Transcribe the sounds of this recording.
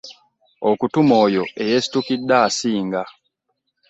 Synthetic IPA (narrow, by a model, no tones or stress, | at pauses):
okutumoːjoejesi̥tukidːaːsiːŋɡa